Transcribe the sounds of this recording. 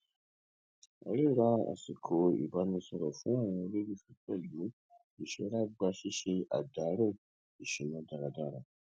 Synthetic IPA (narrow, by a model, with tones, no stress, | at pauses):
a̰˨ɾe˦ɾa˧a̰˨si˨kʰo˨ḭ˨ba˨˦nĩ˧sɔ˧ɾɔ˨fũ˨˦a˦˨w̃ɔ̃˧le˦bi˦fi˧tɛ˦˨lu˨˦ | i˨ʃe˧˦ɾa˦ɡ͡ba˧ʃi˦ʃe˧a̰˨da˨˦ɾe˦˨ | i˨ʃĩ˨mɔ̃˧da˧ɾa˧da˧ɾa˧˨